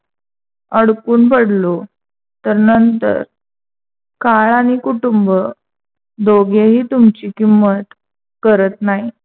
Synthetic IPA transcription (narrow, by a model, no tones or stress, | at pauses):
əɽkuːnpəɽlo | t̪əɾnənt̪ə̰ɾ | kaɭaɽ̃ikuʈumbə | d̪ʱoɡeɦiːt̪umt͡ɕiːkimːət̪ | kəɾət̪naɦi